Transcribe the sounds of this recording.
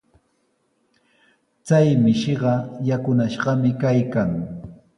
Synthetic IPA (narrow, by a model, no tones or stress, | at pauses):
t͡sajmɪʃɪɢɑjakʊnaʃɢɑmɪkajkaŋ